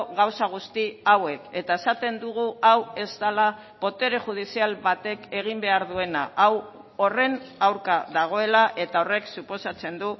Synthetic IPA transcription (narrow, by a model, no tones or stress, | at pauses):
ɣawsaɣ̞ust̪iawe̞ke̞t̪ae̞sat̪e̞nd̪uɣ̞uawe̞zt̪ala | po̞t̪e̞ɾeʝuð̞isialβat̪e̞ke̞ɣ̞imbe̞aɾðue̞naʔaw | o̞re̞nawɾkaðaɣ̞o̞e̞laʔe̞t̪ao̞re̞ksupo̞sat͡se̞nd̪u